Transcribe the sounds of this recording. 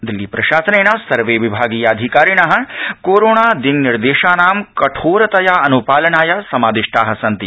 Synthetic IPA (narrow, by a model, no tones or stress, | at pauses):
d̪ilːiːpɾɐʃaːsɐneːnɐsɐɾʋeːʋibʱaːɡiːjaːd̪ʱikaːɾinɐɦɐkoːɾoːɳaːd̪inniɾd̪eːʃaːnaːmkɐʈʰoːɾɐt̪ɐjaːɐnupaːlɐnaːjasɐmaːd̪iʂʈʰaːɦɐ̆sɐnt̪i